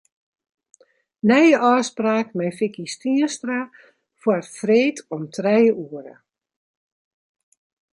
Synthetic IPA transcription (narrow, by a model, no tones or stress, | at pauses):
nɛjəʔɔːspraːkmɛjfɪkistiəstra | fwɔtfreːtʰɔmtʰrɛjəuəɾə̰